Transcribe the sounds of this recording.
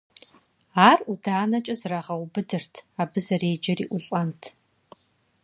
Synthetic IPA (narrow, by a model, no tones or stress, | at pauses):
aːrudaːnɐt͡ʃʼɐzraːʁɐwbɨdɨrtʰaːbɨzɐreːd͡ʒɐriːʔʷʊɬʼɐntʰ